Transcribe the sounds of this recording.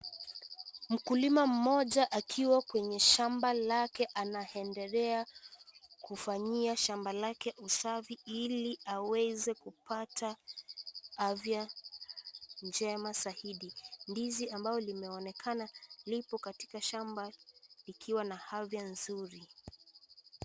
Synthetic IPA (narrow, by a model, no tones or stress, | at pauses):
m̩kulimam̩mɔʄaʔakʰiwakwɛɲɛʃambalakɛʔanaɛndɛlɛa | kufaɲiaʃambalakɛʔusaviiliawɛzɛkupatʰa | avja | nd͡ʒɛmasahiɗindiziambaɔlimɛɔnɛkʰanalipɔkati̥kaʃambalikʰiwanahavjanzuɾi